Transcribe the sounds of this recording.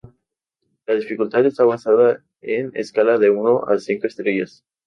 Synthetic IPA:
laðifikult̪aðe̞st̪aβansaða | enḛskalaðeunoʔa̰siŋkoe̞st̪ɾeʝas

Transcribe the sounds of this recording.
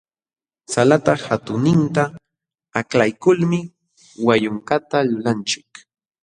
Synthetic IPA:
salat̪ɑhat̪ʊnɪnt̪a | aklajkʊlmɪ | wajʊŋkat̪alʊlant͡ʃɪk

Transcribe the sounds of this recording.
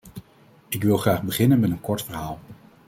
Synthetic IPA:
ɪkʋɪlˠχraːχbəχɪnənmɛtənkɔɹtfəɹɦaːlˠ

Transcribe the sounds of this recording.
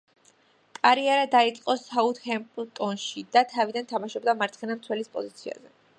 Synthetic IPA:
k̪ʼaɾiaɾad̪ait̪sʼqʼɔsaut̪hɛmpʼt̪ʼɔnʃid̪at̪ʰavid̪ant̪ʰamaʃɔbd̪amaɾt̪ʰχɛnamt̪sʰwɛlispʼɔzit̪sʰia̰zɛ

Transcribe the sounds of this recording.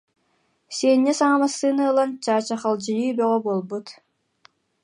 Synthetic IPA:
senʲːɛsaŋamasːɯːnɯːlˠant͡ɕaːt͡ɕaχalˠd͡ʑɯjyːbœʁœbuɔlˠbut̪

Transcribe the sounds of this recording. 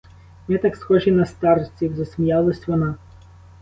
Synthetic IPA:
nɛt̪ɑksxɔʒinɐst̪ɑrt͡sʲiwzɐsʲmʲijɑlˠɐsʲʋɔnɑ

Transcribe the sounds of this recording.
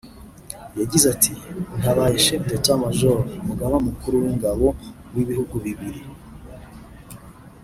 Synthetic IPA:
jaɟizatʰin̥aβajiʃetetamaʒoɾomuɡaβamukuɾuwiŋɡaβo̞ | wiβihuɡuβiβiɾi

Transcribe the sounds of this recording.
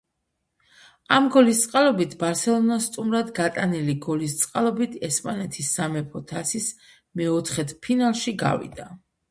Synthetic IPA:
amɡɔlist̪sʼqʼalˠɔbit̪ʰbaɾsɛlˠɔnast̪ʼumɾad̪ɡat̪ʼaniliɡɔlist̪sʼqʼalˠɔbit̪ʰɛspʼanɛt̪ʰisːamɛpʰɔt̪ʰasis | mɛɔt̪ʰχɛt̪ʰpʰinalˠʃiɡa̰vḭd̪a

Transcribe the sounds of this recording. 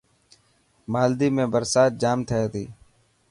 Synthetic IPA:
maːld̪iːmẽːbəɾsaːt̪̚d͡ʒaːmt̪ʰəeːt̪ḭː

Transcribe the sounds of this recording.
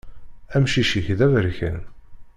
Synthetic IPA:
æmʃiʃiçðævəɾçə̰n

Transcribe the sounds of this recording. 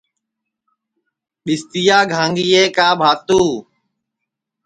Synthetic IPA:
ɗɪst̪ijaːɡʱaːŋɡiːeːkaːbʱaːt̪uː

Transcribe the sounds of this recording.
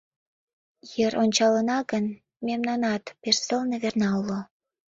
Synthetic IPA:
jeɾʔonʲt͡ɕɑlənɑɣən | memnɑnɑt̪persəlneβernɑulo

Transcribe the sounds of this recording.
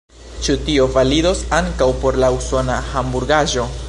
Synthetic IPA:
t͡ʃutio̞valido̞saŋkawpo̞ɾlauso̞nahambuɾɡaʒo̞

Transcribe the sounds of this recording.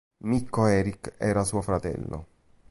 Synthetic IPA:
mikːoɛːɾikɛːɾasuːofɾat̪ɛ̰lːo̰

